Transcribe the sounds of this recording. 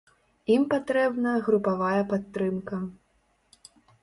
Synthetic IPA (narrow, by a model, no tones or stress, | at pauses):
impat̪ɾɛbnɐɣɾupavajɐpat̪ːɾɨmkɐ